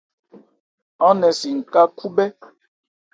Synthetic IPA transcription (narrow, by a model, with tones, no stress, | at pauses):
ɔ˦nɛ˨si˨ŋ̩˨ka˦ku˦bɛ˦